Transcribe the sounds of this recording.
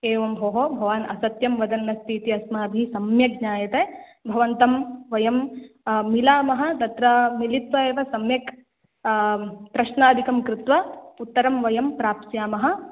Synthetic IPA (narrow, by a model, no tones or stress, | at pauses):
eːʋɐmbʱɐːɦobʱɐʋaːnʔɐsɐt̪jɐmʋɐd̪ɐnːɐst̪ʰiːt̪iɐsmaːbʱisɐmjɐɡɲaːjɐt̪eːbʱɐʋɐnt̪ɐmʋɐjɐmː | ilaːmɐɦɐ̆t̪ɐt̪ɾɐmilit̪ʋɐeːʋɐsɐmjɐk | pɾɐʃnaːd̪ʱikɐmkɾɪt̪ʋɐut̪ːɐɾɐmʋɐjɐmpɾaːpsjaːmɐɦɐ̆